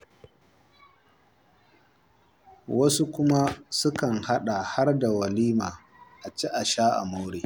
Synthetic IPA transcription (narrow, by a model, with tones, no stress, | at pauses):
wɐ˦su˦kʷʊ˦ma˦sʊ˦kɐ˨ŋha˦ɗa˨ha˦rda˨wɐ˨liː˦maː˨ | ʔa˨t͡ʃi˦ʔa˨ʃaː˦ʔa̰˨ma˦wɽeː˨